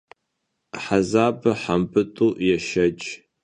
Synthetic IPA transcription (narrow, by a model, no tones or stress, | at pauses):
ħazaːbɐħampʼɨtʼuːjɛʃɐd͡ʒʼ